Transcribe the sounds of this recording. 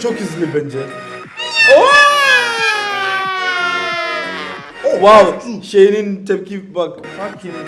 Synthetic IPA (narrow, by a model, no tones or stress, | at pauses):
t͡ʃokizlibɛnd͡ʒɛ | o | wawʃejnintʰɛb̚kibak